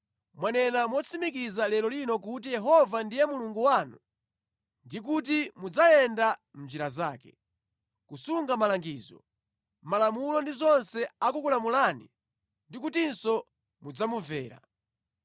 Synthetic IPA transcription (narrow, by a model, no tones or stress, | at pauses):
mwanɛnamwɔt͡sʰimikizalɛlɔlinɔk̬ut̬ijɛɦɔvandijɛmuluŋɡuwaːnu | ndik̬utimud͡zajɛnda | m̩nd͡ʒiɾaza̰ːkɛ | kusuŋɡamalaŋɡiːzɔ | malamulɔndizɔnsɛakukulamulaːnḭ | ndikutinsɔ | mud͡zamuvɛːɾa̰